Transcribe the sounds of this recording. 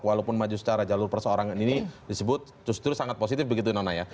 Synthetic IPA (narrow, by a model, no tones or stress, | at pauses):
kwalopʊnmad͡ʒusə̥t͡ʃaɾad͡ʒalʊrpərsəoɾaŋninidisəbʊt̪̚ː | ɾʊst̪əɾʊsaŋat̪̚posit̪ɪfbəɡit̪̬unanaja